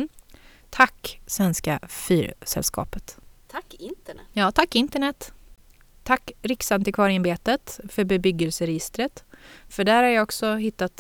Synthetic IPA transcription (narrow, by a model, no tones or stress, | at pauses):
t̪ʰakːsvɛnskafyːɾsɛ̰lskʰɑ̰ːpət̪t̪ʰkːɪnt̪jɑːt̪ʰakːɪnt̪əɳɛt̪ː | t̪ʰːakːɾɪksant̪ɪkʰvɑːɾɪnbeːt̪ət̪fœɾbɛbʏɡəlsəɾɛjɪst̪ɾət̪fœɖæːɾhaɾjaɔksɔɦɪt̪ːat̪